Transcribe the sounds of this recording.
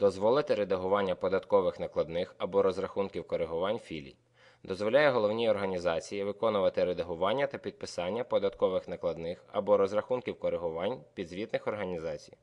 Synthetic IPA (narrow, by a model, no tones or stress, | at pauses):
d̪̥ɔzʋɔlˠɪt̪ɪɾed̪ɐɦʊʋɑnʲːɐpɔd̪ɐt̪kɔʋɪxnɐklˠɐd̪nɪxɐbɔɾɔzɾɐxunkʲiwkɔɾeɦʊʋɑnʲfʲilʲḭ | d̪ɔzʋɔlʲajɛɦɔlˠɔwnʲijɔrɦɐnʲizɑt͡sʲijiʋɪkɔnʊʋɐt̪ɪɾed̪ɐɦʊʋɑnʲːɐt̪ɐpʲid̪̚pɪsɑnʲːɐpɔd̪ɐt̪kɔʋɪxnɐklˠɐd̪nɪxɐbɔɾɔzrɐxunkʲiwkɔɾeɦʊʋɑnʲpʲid̪zʲʋʲit̪nɪxɔrɦɐnʲizɑt͡sʲi̥j